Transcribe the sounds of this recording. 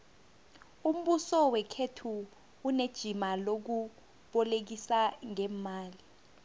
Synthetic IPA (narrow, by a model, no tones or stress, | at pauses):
um̩ɓusɔwɛkʰetʰuː | ned̥ʒ̥ʱimalok̬u | ɓɔlek̬isaŋɛmaːli